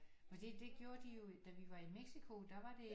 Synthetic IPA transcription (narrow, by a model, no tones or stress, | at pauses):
fɒ̽d̥id̥e̝ɡ̥jo̝ːɐd̥ijo̝d̥æʋiʋɑ̈imeɡ̥sikʰo̝d̥æʋɑ̈d̥e̝